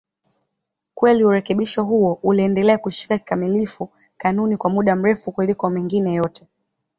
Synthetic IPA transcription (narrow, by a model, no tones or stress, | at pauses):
kwɛliuɾɛkɛɓiʃɔɦuɔʔuliɛndɛlɛakuʃi̥kaki̥kamilifu | kanunikwamuɗam̩ɾɛfukulikɔmiŋɡinɛjɔtʰɛ